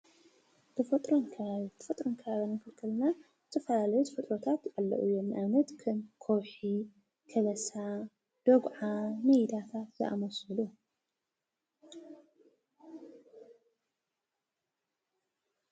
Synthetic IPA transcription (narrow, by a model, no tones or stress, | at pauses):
t̪ʰɨfɐt̪ʼɾonkʰt̪ʰɨ̥fɐt̪ʼɾonkʰɐβaβinɨnkʰɨlkʰɨlna | t̪ʰɐfɐlalɐjut̪ɨfɨt̪ʼɾot̪ʰat̪jʔalːɐ̰ʔujomnʔanɐt̪kʰɐnkʰowħi | kʰɐlɐsa | d̪̥oɡʕamɐjd̪at̪ʰat̪zɐ̰ʔa̰mɐsɨlu